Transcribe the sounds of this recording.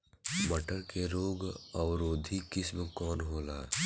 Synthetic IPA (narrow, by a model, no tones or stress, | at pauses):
məʈəɾkeɾoːɡəwɾoːd̪ʱikɪsmekɔːnɦoːlaː